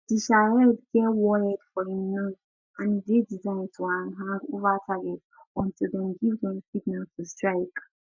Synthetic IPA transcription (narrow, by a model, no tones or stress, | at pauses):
d̥iʃaɹɛdɡɛtwɔɹidfɔĩmnã | ʔãndedizaɪ̃ntʰuãnɦãŋɡovatʰaɡɛt | ɔ̃ntʰilˠdɛ̃mɡivdɛ̃msiɡ̚naltʰustɹaɪk